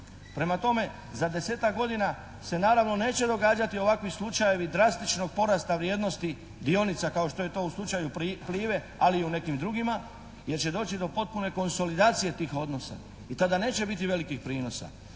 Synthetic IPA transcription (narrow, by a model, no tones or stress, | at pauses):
pɾe̞mat̪o̞me̞ | zad̪e̞se̞ːt̪akɡo̞d̪ina | se̞naːɾaʋno̞ne̞ːt͡ɕe̞d̪o̞ɡaːd͡ʒat̪io̞ʋakʋislˠut͡ʃaje̞ʋid̪ɾast̪it͡ʃno̞ɡ̚po̞ɾast̪aʋɾjeːd̪no̞st̪i | d̪io̞nit̪sakao̞ʃt̪oje̞t̪o̞ːuslˠut͡ʃajupliːʋe̞ | aliːune̞kimd̪ɾuɡima | je̞ɾt͡ɕe̞d̪o̞ːt͡ɕid̪o̞po̞t̪̚pune̞ko̞nso̞lid̪aːt̪sije̞t̪iːxo̞d̪no̞sa̰ | it̪ad̪ane̞ːt͡ɕe̞bit̪iʋe̞likixpɾiːno̞sa̰